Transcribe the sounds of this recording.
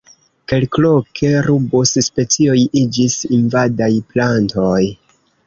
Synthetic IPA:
ke̞lklokʰe̞ɾubosspe̞t͡sio̞jid͡ʒisinvadajplantoj

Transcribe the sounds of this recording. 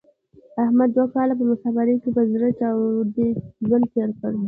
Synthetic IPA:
ahmad̪ːwakɑlap̬əmʊsɑbaɾekebazɾat͡ʃɑwd̪ezwant̪eɾkəɽ

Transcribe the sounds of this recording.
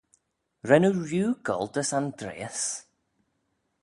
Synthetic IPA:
ɹɛnuɹjuːɡɔ̰lˠdəsandɾḛːs

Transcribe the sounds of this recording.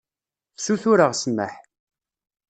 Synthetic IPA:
fsuθuɾəʁsəmːə̰ħ

